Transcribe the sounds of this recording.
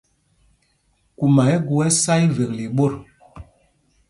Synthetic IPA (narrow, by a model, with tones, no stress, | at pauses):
ku˨ma˨ɛ˦ɡu˨ɛ˦sa˦jve˨k̚li˨ɓo˦˨ɾ